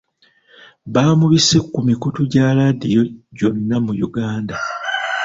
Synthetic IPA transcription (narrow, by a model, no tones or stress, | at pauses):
βaːmuβise̞kːumikutuɟaːladijo̞ɟo̞nːamujuɡaːnda